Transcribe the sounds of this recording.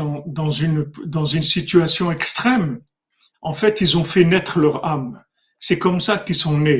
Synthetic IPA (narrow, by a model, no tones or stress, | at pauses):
ɑ̃d̪ɑ̃zynd̪ɑ̃zynsit̪yasjɔ̃ɛkst̪χɛm | ɑ̃fɛt̪ilzɔ̃fɛnɛt̪χlœʁam | sɛkɔmsakilsɔ̃ne